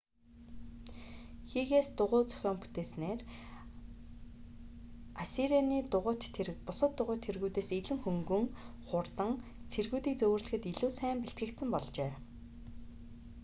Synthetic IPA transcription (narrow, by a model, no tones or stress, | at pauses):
xiːɣeːst̪ʊʁʊːt͡sœ̥xʲɔːmpu̥t̪eːsneːr | asiɾianiːt̪ʊʁʊt̪erpʊsə̆t̪ːʊʁʊːt̪ʰːerɣuːt̪eːseɮɘ̆ŋxɵŋɡɵ̆ŋχʊrt̪ə̆ŋt͡sʰerɣuːt̪iːk̚t͡sɵwɘ̆rɮɘ̆xɘ̆t̪iɮuːsæːmpeɬt̪ɡɘ̆kt̪sɘ̆mpɔɮt͡ɕeː